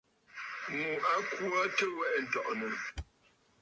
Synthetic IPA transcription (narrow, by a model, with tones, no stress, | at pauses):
ŋu˨a˨˦kwu˦a˦tə˦wɛ˦ʔn̩˨tɔ˦˨ʔnə˨